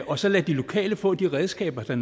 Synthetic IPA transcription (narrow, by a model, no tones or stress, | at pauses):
ɒ̽sɒ̽læd̥ilo̝kʰɛ̰ːləfɔ̰̽ːd̥iʁɛð̞ˠsɡ̥ɛ̰ːb̥ɐd̥ɑ̈n